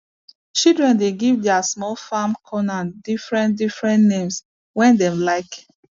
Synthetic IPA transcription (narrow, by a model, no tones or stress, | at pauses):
t͡ʃildɹɛ̃ndeɡivdɛasmɔlfamkʰɔnadifɹɛ̃ndifɹɛ̃nnẽms | wɛ̃ndɛ̃mlaɪk